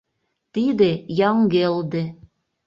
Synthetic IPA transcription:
t̪id̪ejɑŋɡeld̪e

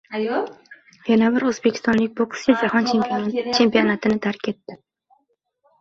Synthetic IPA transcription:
janabɪɾɵzbekʲɪ̥st̪ɒnlɪkʲboksʲɪd͡ʒahɒnt͡ʃʰe̞mpʰit͡ʃʰe̞mpijonat̪ʰɪnɪt̪ʰaɾkʲʰe̞t̪ːɪ

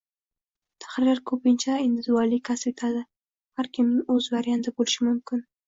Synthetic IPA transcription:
t̪ʰḁχɾɪlaɾkʰɵpɪnt͡ʃʰaɪnd̪ɪzalikʲʰaset̪ʰad̪ɪ | haɾkʲʰɪmnɪɵzvaɾjant̪ʰɪbolɪʃɪmʊmkʰʲɪn

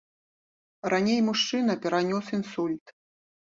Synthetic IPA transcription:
ranʲejmuʂt͡ʂɨn̪ɐpʲɛɾanʲɔsinsulʲt̪

